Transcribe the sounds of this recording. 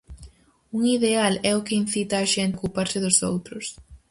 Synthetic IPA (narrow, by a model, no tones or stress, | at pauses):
uŋiðealɛʊkɪin̟θit̪aːʃɛnt̪kupaɾsɪðʊsowt̪ɾʊs